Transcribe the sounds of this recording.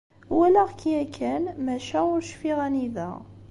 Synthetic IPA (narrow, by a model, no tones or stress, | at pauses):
wælæʁkʰiækʰːænmæʃæʊɾʃfiʁæniðæ̰